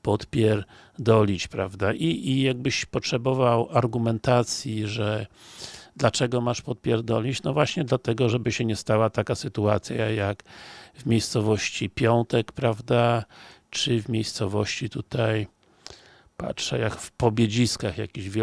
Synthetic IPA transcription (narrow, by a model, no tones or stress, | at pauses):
pɔt̪pʲjɛɾ | d̪ɔlʲit͡ɕpɾavd̪aʔiːjaɡ̚bɘɕpɔtʂɛbɔvawaɾɡumɛnt̪at̪sʲjiʐɛ | d̪lat͡ʂɛɡɔmaʂpɔt̪̚pʲjɛɾd̪ɔlʲit͡ɕnɔvwaɕɲɛd̪lat̪ɛɡɔʐɛbɘɕɛɲɛst̪awat̪akasɘt̪ua̰t̪sʲjajakvmʲejst̪sɔvɔɕt͡ɕipʲjɔnt̪ɛkpɾavd̪at͡ʂɘvmʲejst̪sɔvɔɕt͡ɕit̪ut̪aj | pa̰tʂɛ̰jakfpɔbʲjed͡ʑiskaxja̰kʲiʑvʲɛ